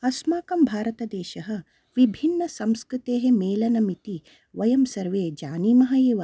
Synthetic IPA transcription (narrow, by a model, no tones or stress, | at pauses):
ɐsmaːkɐmbʱaːɾɐt̪ɐd̪eːʃɐɦɐ̆ | ʋibʱinːɐsɐmskɾut̪eːɦemeːlɐnɐmit̪i | ʋɐjɐmsɐɾʋeːd͡ʒaːniːmɐɦɐeːʋ